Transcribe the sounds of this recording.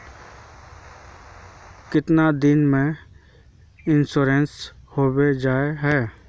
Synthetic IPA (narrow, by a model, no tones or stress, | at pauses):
kɪt̪nad̪ɪnmẽ | ɪnsoːɾeːnshoːwed͡ʒaːeɦɛː